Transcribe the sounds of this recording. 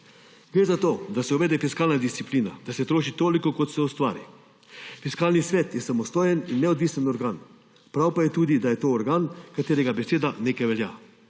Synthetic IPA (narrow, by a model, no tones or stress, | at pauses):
ɡ̥ɾeːzat̪oːd̪asɛuʋɛːd̪ɛfiskaːlnad̪ist̪sipliːnad̪̥asɛt̪ɾoːʃit̪oːlikɔkɔt̪sɛust̪ʋa̰ːɾḭ | fiskaːlnisʋɛːt̪jɛsamɔst̪oːjɛninːɛɔd̪ʋiːsənɔɾɡaːn | pɾawpajɛt̪uːd̪id̪ajɛt̪oːɾɡaːnkat̪eːɾɛɡabɛseːd̪aneːkajʋɛlja̰